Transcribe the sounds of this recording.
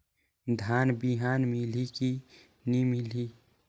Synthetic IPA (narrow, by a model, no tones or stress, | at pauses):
d̪ʱaːnbiɦaːnmiliki | nimili